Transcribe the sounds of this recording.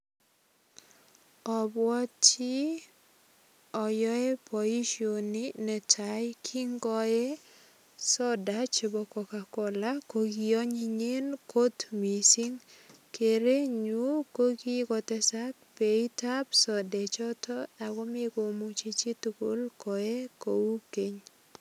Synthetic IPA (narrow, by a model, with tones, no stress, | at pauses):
ɔ˨bwɔ˦t͡ʃi˦ | ɔ˨jɔ˦ɛ˦pɔ˨i˦ʃioni˦nɛ˨tʰajkʰi˦ŋɡɔ˦ɛ˦ | sɔ˦dat͡ʃe˨bɔ˨kɔ˨ka˨kɔ˨la˦koɡi˨ɔ˦ɲi˦ɲe˦nko˦t̪mi˨si˦ŋ | ke˨ɾe˦ɲu˦ko˦ɡi˦kɔ˨tɛsa˦k̚pe˨i˦ta˦psɔ˨dɛ˨t͡ʃɔ˦tɔ˦a˨ɡɔ˦me˦ɡo˨mu˦t͡ʃi˦t͡ʃi˦tu˨ɡo˦lkɔ˨ɛ˦ko˨wu˦ke˦ɲ